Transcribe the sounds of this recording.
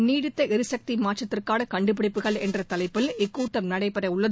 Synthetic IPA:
niːɽɪt̪ːɐʔɛɾɯsɐk̚t̪imaːʈt͡ʃɐt̪ːɪrkaːɽɐkɐɳɖɯp̬ɪɽɪpːɯɣɐɭɛndrɐt̪ɐlɐɪpːɪlɪkːuːʈːɐmnɐɽɐɪpɐɾɐʊɭːɐð

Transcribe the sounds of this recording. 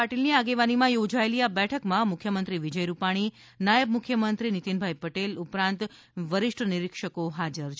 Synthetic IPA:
aʈilniaɡeʋanimãjod͡ʒaeliabɛʈʰəkmãmʊkʰːjəmənt̪ɾiʋid͡ʒəjɾupaɽ̃i | najəbmʊkʰjəmənt̪ɾinit̪inbʱajpəʈelupɾãnt̪ | ʋəɾɪʂʈʰnɪɾikʃəkoɦad͡ʒəɾt͡ʃʰ

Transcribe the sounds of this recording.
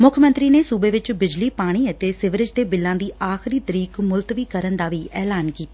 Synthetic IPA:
mʊkʰmə̃nt̪ɾiːneːsuːbeːʋɪt͡ʃbɪd͡ʒliːpaːɽ̃iːət̪eːsɪʋɾɪd͡ʒd̪eːbɪlːãːd̪iːʔaːxɪɾiːt̪əɾiːkmʊlt̪ʋiːkəɾənd̪aːʋiːɛːlaːnkiːt̪aː

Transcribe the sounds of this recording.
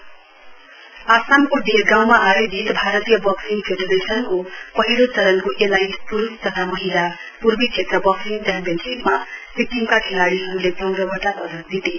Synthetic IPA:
asamkoɖerɡãw̃maʔaɾed͡zit̪bʱaɾʌt̪ijʌbʌksiŋpʰedeɾesʌnkopʌɦilot͡sʌlʌnkoʔelajʈpuɾust̪ʌt̪ʰamʌɦila | purbit͡ʃʰet̪rʌbʌksinkanpensipmabik̚ʈimkaʈʰelaɽiɦʌɾuleɡʌŋɡɾʌɡʱʌʈapʌd̪ʌtd̪it̪e

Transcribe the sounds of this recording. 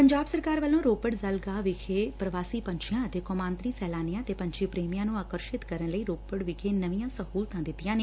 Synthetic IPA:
pəɲd͡ʒaːbsəɾkaːɾʋəlːõːɾoːpəɽzəlɡaːʋɪkʰeːpɾəʋaːsiːpəɲt͡ʃʰɪjãːət̪eːkɔːmãːnt̪ɾiːsɛːlaːnɪjãːt̪eːpə̃ɲt͡ʃʰiːpɾeːmijãːnũːaːkəɾʃɪt̪kəɾənləiːɾoːpəɽʋɪkʰeːnəʋijãːsəhuːlt̪ãːd̪ɪt̪ːɪjãːneː

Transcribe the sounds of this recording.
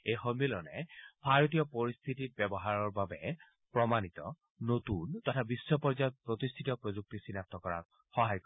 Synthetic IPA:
ejxomilɔnɛbʱaɹot̪̬ijɔpoɹist̪ʰitit̚bɛbɔɦaɹɔɹbabɛ | pɹɔmanit̪ɔ̰ | notuntɔtʰabisːɔpɔɹd͡ʒajɔt̚pɹot̪ist̪ʰitɔpɹozuk̚tisinap̚t̪ɔkɔɹa̰k̚ | xɔɦajkɔ

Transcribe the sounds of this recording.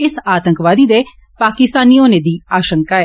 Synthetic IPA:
ɪsaːt̪əŋkʋaːd̪iːd̪eː | paːkɪst̪aːniːoːneːd̪iːaːʃəŋkaːɛː

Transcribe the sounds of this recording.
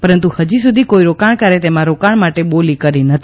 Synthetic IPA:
pəɾənt̪uhəd͡ʒis̬ud̪ʱikoiɾokaɳkaɾet̪emãɾokaɽ̃maʈeɓolikəɾinət̪ʰi

